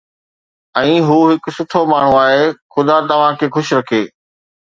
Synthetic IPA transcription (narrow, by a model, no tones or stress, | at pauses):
ɛ̃ːɦuːɦɪksʊt̪ʰomaːɳ̤ũaːɦeːxʊd̪at̪ɐʋ̤ãkʰeːxʊʃɾɐkʰeː